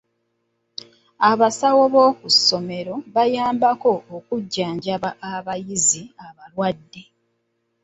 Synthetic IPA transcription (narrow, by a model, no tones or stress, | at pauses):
aβasawo̞βo̞ːkusːo̞me̞ɾo̞βajaːmbako̞okuɟːaːɲɟaaaβajiziaβalwadːe̞